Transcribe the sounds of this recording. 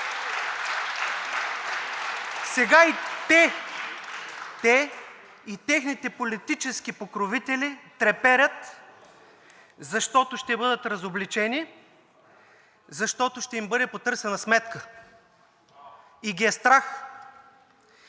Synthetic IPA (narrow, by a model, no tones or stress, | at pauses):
sɛɡait̪ɛ | t̪ɛ | it̪ɛxnit̪ɛpolit̪it͡ʃɛsk̟ipokɾovit̪ɛlit̪ɾɛpɛɾʲət̪ | zɐʃt̪ɔt̪oʃt̪ɛbɤd̪ət̪ɾɐzoblit͡ʃɛni | zɐʃt̪ɔt̪oʃt̪ɛimbɤd̪ɛpot̪ɤɾsɛnɐsmɛt̪kə | iɡʲiɛst̪ɾax